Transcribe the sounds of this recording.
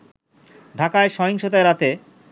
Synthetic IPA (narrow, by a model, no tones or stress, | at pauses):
ɖʱakaeʃɔɦoŋʃot̪aeɾat̪e